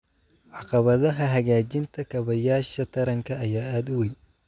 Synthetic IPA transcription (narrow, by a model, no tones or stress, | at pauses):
ʕɑqɑβɐðɐɦɐɦɐɣaːt͡ʃɪnt̪ʰɐkʰɐβɐjaːʃɐt̪ʰɐɾɐŋkʰɐːjaːaːd̪ʊwɛj